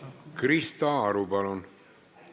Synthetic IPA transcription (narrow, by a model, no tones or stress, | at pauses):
kɾist̪aaɾubalon